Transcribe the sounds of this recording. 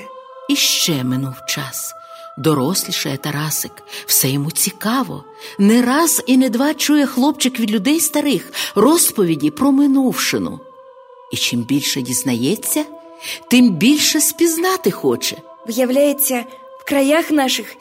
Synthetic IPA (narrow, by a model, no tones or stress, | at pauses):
iʃt͡ʃɛmɪnuwt͡ʃɑs | d̪ɔɾɔsʲlʲiʃɐjɛt̪ɐɾɑsɪkw̥sɛjɔmut͡sʲikɑʋɔ̰ | nɛɾɑzined̪ʋɑt͡ʃujɛxlˠɔp̚t͡ʃɪkʋʲid̪lʲʊd̪ɛjst̪ɐɾɪxrɔspɔʋʲidʲipɾɔmɪnuwʃɪnʊ̰ | it͡ʃimbʲilʲʃɛdʲiznɐjɛt͡sʲːɐ | t̪ɪmbʲilʲʃɛspʲiznɑt̪ɪxɔt͡ʃɛ | ʋjɐwlʲajet͡sʲːɐ | w̥kɾɐjaxnɑʃɪx